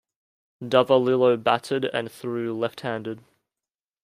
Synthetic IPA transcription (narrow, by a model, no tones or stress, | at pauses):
dʌvəlɪlˠəʊbatʰədə̰̃nθɹʉːlɛft̚hæ̃ndɪd̥̚